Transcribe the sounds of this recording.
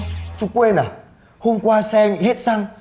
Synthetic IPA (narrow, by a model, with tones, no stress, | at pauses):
t͡ɕu˧˩kwe˧na˨˩ | ho˧mkʷwaː˧sɛ˧ŋhe˦˥t̚sa˧ŋ